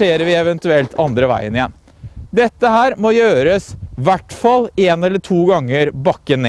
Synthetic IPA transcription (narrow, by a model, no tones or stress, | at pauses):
eːɾəɾʋɪɛʋɛnt̪ʉɛlt̪ʰɑnd̪ɾəʋæ̰ɪənɪjɛn | d̪ɛt̪ːəhæːɾmojøːɾəsʋæʈfɑlːeːnɛlːəʈʰuːɡɑŋːəɾbɑkːəne